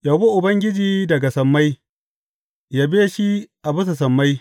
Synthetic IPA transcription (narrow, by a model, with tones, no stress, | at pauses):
ja˨bu˦ʔʊ˨bɐ˦ŋɡʲɪ˦d͡ʒiː˦dɐ˨ɡa˨sɐ˨mːa˦j | jaː˦beː˦ʃi˦ʔa˨bʊ˦s̬a˨s̬ɐ˨mːa˦j